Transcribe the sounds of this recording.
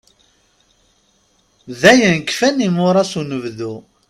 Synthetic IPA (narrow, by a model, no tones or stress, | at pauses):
ðæjənkfænimʊɾˤɑsunəvðu